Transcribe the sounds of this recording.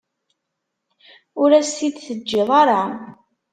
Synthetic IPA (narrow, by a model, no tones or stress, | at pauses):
ʊɾæst̪id̪θəd͡ʒːɪðˤɑɾˤɑ